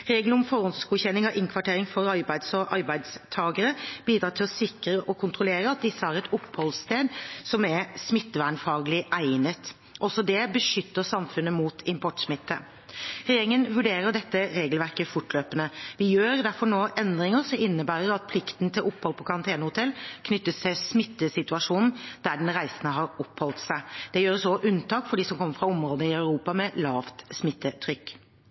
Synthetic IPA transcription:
ɾeːɡlʊmfɔɾɔnsɡuːçɛnːɪŋɑʔɪŋkʰʋɑʈʰeːɾɪŋfɔɾɑɾbæɪd̪sɔʔɑɾbæɪd̪st̪ʰɑːɡəɾəb̥iːd̪ɾɑːt̪ʰɪlɔsɪkɾəʔɔkʰʊnt̪ʁʊleːɾəɑt̪̚d̪ɪsːəæːɾɛt̪ʊpːhɔlst̪eːd̪sɔmɛsmɪt̪ːʋæːɳfɑːɡlɪʔæɪnət̪ | ʔɔsɔd̪ɛbəʂʏt̪ːəɾsɑmfʉnːəmuːt̪ʰɪmpʰɔʈsmɪt̪ːə̰ | ɾɛjeːɾɪŋənʋʉɖeːɾəɖɛt̪ːəɾeːɡəlʋæɾkəfʊʈløːpənəʋɪjøːɾd̪æɾfɔɳoːʔɛnd̪ɾɪŋəɾsɔmɪnːəbæːɾəɾɑt̪̚pʰlɪkt̪nt̪ʰɪlʔɔpːhɔlpʰɔkʰɑɾɑnt̪ʰeːnəhʊt̪ʰɛlːkʰnʏt̪ːəst̪ʰɪsmɪt̪ːəsɪt̪ʉɑʂuːnn̩d̪̥æɖɛnɾæɪsənəɦɑɾɔphɔlt̪sæɪd̪̥ɛjøːɾəsɔʔʉnt̪ʰɑːkfɔɖiːsɔmkʰɔmːəɾfɾɑɔmɾoːd̪əɪɑʉɾuːpɑmɛlɑːft̪smɪt̪ːət̪ʰɾʏkː

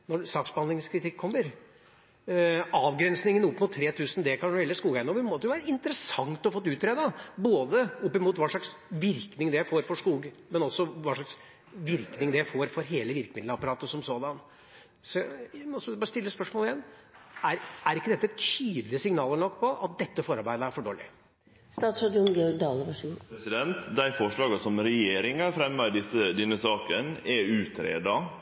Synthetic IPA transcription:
nɔsɑːksbəɑnd̪lɪŋskʰɾɪt̪ʰɪkʰːɔmːəɾ | ɑːʋɡɾɛnsnɪŋənʊpːmut̪ʰːɾeːt̪ʰʉːsən̩d̪ɛkʰɑnɛːlːəskuːɡæɪnɔʋɪmɔt̪ːəʊʋæːɾəɪnt̪əɾəsɑŋt̪ɔfɔt̪ːʉːt̪ːɾeːd̪ɑboːd̪əʊpːɪmuːt̪ʋɑːʂɭɑksʋɪɾknɪŋd̪ɛjæɪfoːɾfɔʂkuːɡmɛnɔsːɔʋɑːʂɑks | ʋɪɾknɪŋd̪ɛjæɪfoːɾfɔɾɦeːləʋɪɾkəmɪd̪ləɑpɑɾɑːt̪əɔsɔmsoːd̪ɑn | sɔjæjæmɔsbɑːɾəst̪ɪlːəspœʂmoːlɪjɛnːæɾæɾɪkːəd̪ɛt̪ːəɛt̪ʰyːd̪lɪəsɪŋnɑːləɳɔkːpʰɔɑ̰t̪̚d̪ɛt̪ːəfɔːɾɑɾbæɪd̪əæɾfɔɖoːlɪ̰ | st̪ɑːt̪sɾɑd̪ʊnɡœd̪ɑːləʋɑʂiːsɪd̪ɛnt̪d̪æɪfɔʂɭɑːɡɑsɔmɾɛjeːɾɪŋɑfɾɛmːɑd̪ɪsəd̪ɛnːəsɑːkənɛʉːt̪ɾḛːd̪ɑ

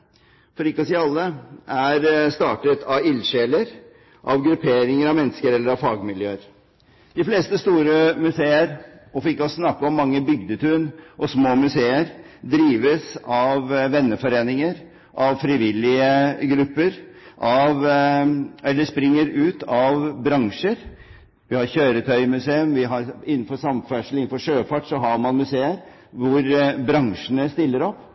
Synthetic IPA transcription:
fɔɾɪkːɔsiːɑlːəʔæɾst̪ɑːʈət̪ʰɑʋɪlɕeːləɾ | ʔɑʋɡɾʉpʰeːɾɪŋəɾɑʋmɛnːəskəɾɛlːəɾɑʋfɑːɡmɪljøːəɾ | d̪̥ɪfleːst̪əst̪uːɾəmʉseːəɾɔfɪkːɔsnɑkːəɔmːɑŋːəbʏɡd̪ət̪ʰʉnʔɔsmoːmʉseːəɾ | d̪ɾiːʋəsɑʋːɛnːəfɔɾeːnɪŋəɾ | ʔɑʋfɾɪʋɪlɪəɡɾʉpːəɾ | ʔɑʋ | ɛlːəʂpɾɪŋːəɾʉːt̪ɑʋbɾɑŋʂəɾ | ʋɪhɑɾçøːɾət̪ʰœʏmʉseːʉmʋɪɦɑɾɪnːn̩fɔɾsɑmfæʂəl̩ɪn̩fɔʂøːfɑʈːsɔɦɑɾmɑnmʉseːəɾ | ʋʊɾbɾɑŋʂənəst̪ɪlːəɾɔpː

